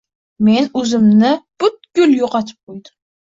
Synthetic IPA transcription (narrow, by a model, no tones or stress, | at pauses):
me̞nɵzɪmnɪb̥ʊt̪̚ɡ̥ʲʊljoqɑt̪ʰɪ̥p̚qʰojd̪ʊm